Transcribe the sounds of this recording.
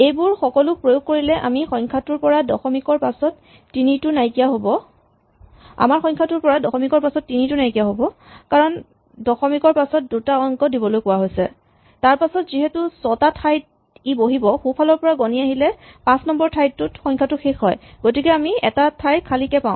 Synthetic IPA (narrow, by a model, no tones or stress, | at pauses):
ejbʊɹxɔkɔlʊk̚pɹojoɡ̚koɹilɛʔa̰mixɔjŋkʰatʊɹpɔɹadɔxɔmikɔɹpasɔtː | initʊnajkijaɦobɔ | a̰maɹxɔ̃jŋkʰatʊɹpɔɹadɔxɔmikɔɹpasɔtːinitʊnajkijaɦobɔkaɹɔn | dɔxɔmikɔɹpasɔt̚dutaɔŋkɔdibɔlojkʊwaɦojsɛ̰ | taɹpasɔtziɦɛtʊsɔtatʰajt̚ | iboɦibɔxupʰalɔɹpɔɹaɡɔniaɦilɛpãsnɔmbɔɹtʰajttʊtxɔjŋkʰatʊxexɦɔjɡotikɛamiɛ̰tatʰajtkʰalikɛpãʊ̃